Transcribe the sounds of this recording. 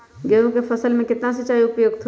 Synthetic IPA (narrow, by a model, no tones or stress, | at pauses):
ɡeũkefʰɐsəlmẽkɪt̪nas̬ẽt͡ʃaːjoʊpjoːɡt̪ʰ